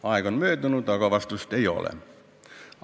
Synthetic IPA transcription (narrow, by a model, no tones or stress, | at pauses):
ɑikonmyøøt̪unut̪ɑkɑʋɑst̪ust̪eio̰lḛ